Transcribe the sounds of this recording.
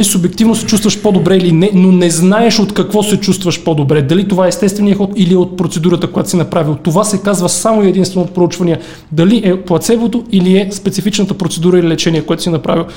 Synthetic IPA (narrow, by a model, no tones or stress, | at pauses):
lisʊbɛkt̪ivnosɛt͡ʃust̪vəʃpod̪obɾɛilinɛnonɛznaɛʃot̪kɐkvɔsɛt͡ʃust̪vɐʃpod̪obɾɛd̪ɐlit̪ovaɛːst̪ɛst̪vɛnijəxɔt̪iliɛot̪̚pɾot̪sɛd̪uɾət̪əkojat̪sinɐpɾavilˠt̪ovasɛkazvəsamoiɛd̪inst̪vɛnot̪̚pɾout͡ʃvɐnijə | d̪ɐliʔɛplˠɐt̪sɛvot̪oiliɛspɛt̪sifit͡ʃnət̪əpɾot̪sɛd̪uɾəililɛt͡ʃɛniɛkoɛt̪ʊ̥sinɐpɾa̰vilˠ